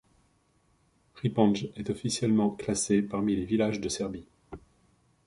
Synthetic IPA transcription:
ʁipɑ̃ʒɛt̪ɔfisjɛlmɑ̃klasepaʁmilevilaʒd̪əsɛʁbi

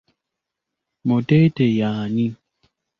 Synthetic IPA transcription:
motetejaːni

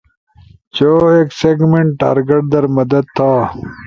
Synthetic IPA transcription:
t͡ɕoːeːkseɡmeɳʈʈːa̰ːɾɡeʈ̚d̪ɐɾmɐd̪ɐd̪̚t̪ʰːaː

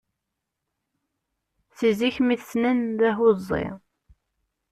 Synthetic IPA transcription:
θiziçmiθsnənðæɦozˤːḛ

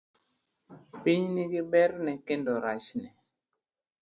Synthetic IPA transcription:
piɲniɡibɛɾnɛkendɔɾat͡ʃnɛ

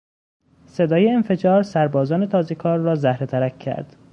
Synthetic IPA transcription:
se̞d̪ɒːjeːnfe̞d͡ʒɒːɾsæɾbɒːzɒːnet̪ʰɒːze̞kʰɒːɾːɒːzæhɾet̪ʰæɾækcʰːæ̰ɾd̪̥

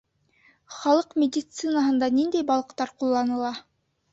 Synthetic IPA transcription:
χɑlˠɤqmʲɪdʲɪt̪sɨnəɦɤ̆nd̪ɑnind̪æjbɑlˠɤ̆qt̪ɑɾqulˠːɑnɤ̆lˠɑ

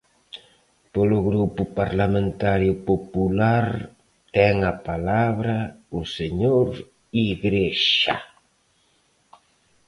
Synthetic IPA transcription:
polʊɣɾupʊpaɾlamẽnt̪aɾjʊpopulaɾ | t̪ɛŋapalaβɾauseɲoɾ | iɣɾeʃa̰

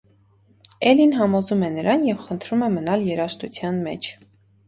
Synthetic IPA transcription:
ɛlinɦɑmɔzumɛnəɾɑnjɛvχənt̪ʰɾumɛmənɑljɛɾɑʃt̪ut͡sʰjɑnmɛ̰t͡ʃʰ

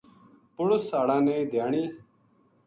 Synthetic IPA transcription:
pʊɽʊsːaːɽãːneid̪jaːɳiː

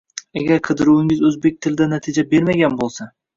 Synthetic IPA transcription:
aɡʲaɾqʰɨd̪ɪɾuwɪŋɪzɵzbe̞k̚ʲt̪ʰɪlɪd̪anat̪ʰɪd͡ʒabe̞ɾmaɡʲanbolˠsa

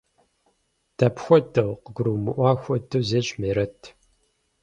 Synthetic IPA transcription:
d̥ʰɐpxʷɔtʰɐwqəɡʷʊɾuwmɨʔʷɑːxʷɔtʰɨwzeːɕmeːɾɐtʰ

